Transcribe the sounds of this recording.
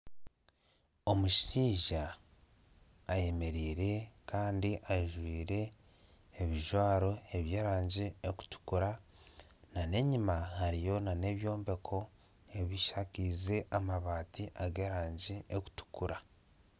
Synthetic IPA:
o̞muʃiːʒa | je̞me̞ɾiːɾe̞kaːndiʔaiʒwiːɾe̞ː | βiʒwaːɾo̞e̞βje̞ːɾaːɲɟieku̥tu̥kuɾa | nane̞ɲimahaɾijo̞nane̞βjo̞ːmbe̞kʰo̞ | e̞βiʃakize̞ʔamaβaːtiʔaɡe̞ːɾaːɲɟiʔeku̥tu̥kuɾa

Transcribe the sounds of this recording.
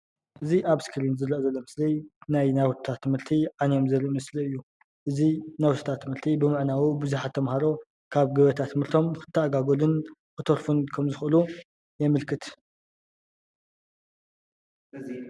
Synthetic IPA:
ʔɨziʔaβskʰɨɾinzɨlɐʔzɐlːomɨslijnajnawt̪t̪ʰat̪ʰːɨmhɨɾt̪ʰiʕanejo̞mzɐlimɨsliɨjːu | ʔɨzinawt̪ʰɐ̥t̪ʰat̪ʰːɨmhɨɾt̪ʰibɨmɨʕnawibɨzuħat̪ʰːɐmhaɾo̞ | kʰaβɡɨβɐt̪ʰat̪ʰːɨmhɨɾt̪ʰo̞mxɨ̥t̪ʰːɐːɡaɡolɨnxɨt̪ʰoɾfunkʰɐmzɨxɨlu | jɛmɨlkʰɨt̪

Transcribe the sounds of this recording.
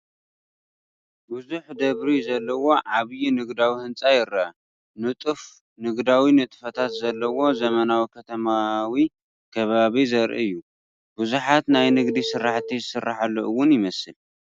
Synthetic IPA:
buzuħd̪ɐβɾizɐlːɐwo̞ʕaβjinɨɡd̪awihɨnt͡sʼajɪɾaa | nɨt̪ʼɨf | nɨɡd̪awinɨt̪ʼfɐt̪ʰat̪zɐlːɐwo̞zɐmɐnawikʰɐt̪ʰɐmawi | kʰɐβaβizɐɾʔḭɨjːu | b̥uzuħat̪najnɨɡd̪isɨɾːaħt̪ʰizɨsɨrːaħalːo̰ʔɨwːʊnjɪmɐsɨl

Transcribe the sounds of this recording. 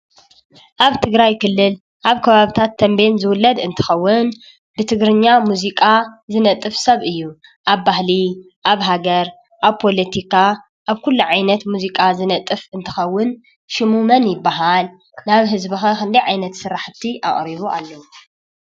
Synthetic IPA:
ʔaβt̪ʰɨɡɾajkɨlːɨl | ʔaβkʰɐβaβit̪ʰat̪ʰːɐmbenzɨwʊlːɐd̪ɨnt̪ʰɨ̥xɐwːʊn | bɨt̪ʰɨɡɾɨɲːamuzikʼazɨnɐt̪ʼːɨfsɐβɨjːu | ʔaβːahli | ʔaβɦaɡɐɾ | ʔaβpʰo̞lɐt̪ʰikʰa | ʔaβkʰulːuʕajnɐt̪muzikʼazɨnɐt̪ʼɨfɨnt̪ʰɨxɐwːʊn | ʃɨmumɐnjɪbːaɦal | naβɦɨzbɨxɐkɨnd̪ɐjʕajnɐt̪sɨɾaħt̪ʰiʔa̰ʔʼɾiβuʔa̰lːɐwu

